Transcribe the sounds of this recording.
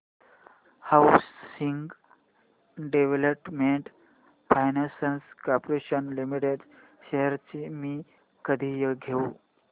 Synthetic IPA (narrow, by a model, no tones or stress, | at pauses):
hawsiŋɡ | ɖeʋeləpmeɳʈ | fajnasənskapɾeɕənlimiʈeɖ | ɕeɦəɾt͡ɕimi | kəd̪ʱiːjeɡʱeu